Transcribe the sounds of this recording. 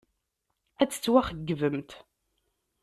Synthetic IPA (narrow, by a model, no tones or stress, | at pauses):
æt͡sːə̥t͡sːwæχəɡːvəmt̪